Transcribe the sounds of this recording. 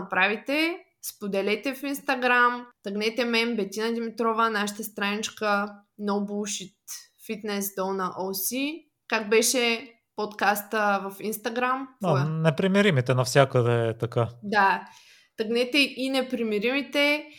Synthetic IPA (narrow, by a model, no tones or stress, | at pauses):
nɐpɾavit̪ɛ | spod̪ɛlɛt̪ɛfinst̪ɐɡɾamt̪ɐɡnɛt̪ɛmɛmbɛt̪ʲinɐd̪imit̪ɾɔvənaʃə̥t̪əst̪ɾanit͡ʃkənobulʃit̪fit̪nɛsd̪ɔnəʔosi | kaɡbɛʃɛ | pot̪kast̪əvɐfinst̪ɐɡɾamnɛpɾimiɾimit̪ɛnɐfsʲakəd̪ɛt̪ɐkad̪a | t̪ɐɡnɛt̪ɛʔinɛpɾimiɾimit̪ɛ